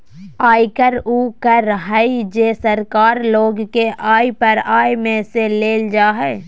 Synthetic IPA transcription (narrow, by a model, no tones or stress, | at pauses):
aːikəɾuːkəɾːəɦaid͡ʒeːsəɾkaːɾloːɡkeʔaːipɐɾaːjmẽseleːld͡ʒaːɦɛː